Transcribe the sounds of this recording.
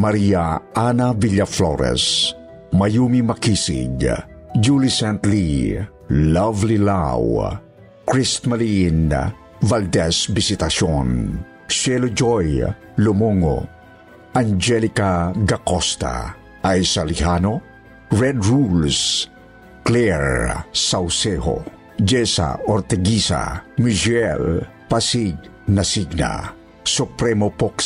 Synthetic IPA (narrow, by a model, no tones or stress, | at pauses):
maɾiaʔanaviʎjafloɾɛ̰s | mɐjumimɐkisḭɡ | d͡ʒulisɛ̃nt̪li | lavlilaw | kɹist̪malin | vald̪ɛsbisit̪ason | sɛlod͡ʒoj | lumoŋo̰ | and͡ʒɛlikaɡakost̪a̰ | ajsalihano | ɹɛd̪ɹuls | klɛɹsawsɛɦo̰ | d͡ʒɛsa̰oɾt̪ɛɡisa̰miʃɛl | pasiɡ̚ | nɐsiɡna̰ | sʊpɾɛmopok